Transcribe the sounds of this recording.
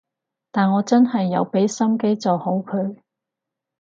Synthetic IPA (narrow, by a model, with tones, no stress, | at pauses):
t̪aː˨nŋɔː˨˧t͡sɐ˥nhɐ˨jːɐ˨˧wpe˨˥jsɐ˥mke˥jt͡sɔ˨who˨˥wkʰɵ˨˧ɥ